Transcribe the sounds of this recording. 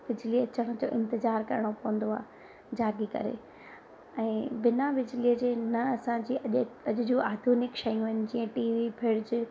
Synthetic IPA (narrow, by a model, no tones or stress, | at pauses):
bɪd͡ʑliɐt͡ɕəɽ̃ʊ̆d͡ʑo̰ːʔɪ̰̃nt̪ɪzaːɾkɐɾɪɽ̃opɐʋə̃n̆d̪oa̰ː | d͡ʑaːɡikɐ̰ɾḛ | ɛ̃ːbɪnabɪd͡ʑɪliəd͡ʑeːnɐɐsãd͡ʑiɐɐʄʊd͡ʑũʔaːd̪ʱuːnɪkʃɐjũɦɪnɪ̆d͡ʑiːə̃ʈiːʋibʰʱɪɽd͡ʑɪ